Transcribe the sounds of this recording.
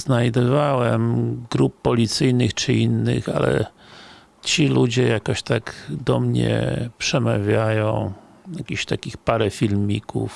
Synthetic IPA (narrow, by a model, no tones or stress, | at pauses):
znajd̪ɔvawɛmɡɾup̚ːɔlʲit̪sɘjnɨxt͡ʂɘinːɘ̰xa̰lɛ̰ | t͡ɕilud͡ʑɛjakɔɕt̪aɡd̪ɔmɲɛ̰pʂɛma̰vʲjajɔ̃w̃ | jakʲiɕt̪akʲixpaɾɛfʲilmʲikṵf